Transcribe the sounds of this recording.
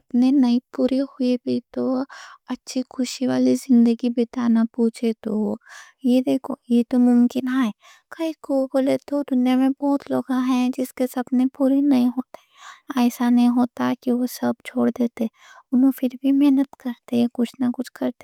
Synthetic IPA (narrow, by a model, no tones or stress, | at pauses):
ɐpnenɐĩpuːɾehʊebʱit̪oɐtːʃʰikʰʊʃiʋaːlizɪ̃nd̪əɡibɪt̪aːnapuːt͡ʃʰet̪o | jed̪eːkʰojet̪omʊmkɪnɦaːɛ | kɐikoːbolet̪od̪ʊnijamẽbɔːt̪loːɡãɦɛ̃d͡ʒɪskesɐbnepuːɾenɐĩɦoːt̪ɛɛːsanɐɦĩɦoːt̪akiʋosɐb̚t͡ʃʰoːɽd̪eːt̪eɛ | ʊnɦõfɪɾbʱimɛɦnət̪kɐɾt̪ekʊt͡ʃʰnakʊt͡ʃʰkɐɾt̪e